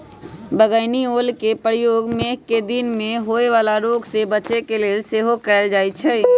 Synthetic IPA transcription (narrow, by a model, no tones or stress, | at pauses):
bəɡəɪnioːlkepəɾjoːɡmeːkːed̪ɪnmẽɦoːeʋaːlaɾoːɡsebət͡ʃekeleːlseːɦokɛld͡ʒaːit͡ʃʰɛ